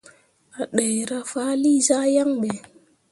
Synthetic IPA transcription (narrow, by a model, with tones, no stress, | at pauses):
a˨ɗa˨jɾa˦fa˦li˦za˦ja˦ŋɓe˨